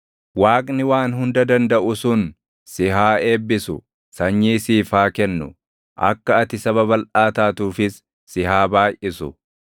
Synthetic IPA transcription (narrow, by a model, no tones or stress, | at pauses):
waːkʼnɪwaːnɦʊnd̪ɐd̪ɐnd̪ɐʔʊsʊn | sɪɦaːe̞ːbːɪsʊ̰ | sɐɲːiːsiːfaːkɛnːʊ | ʔɐ̰kːɐːɐt̪ɪsɐβɐbɐlʔaːt̪aːt̪uːfɪsː | ɪhaːbaːjʔɪsʊ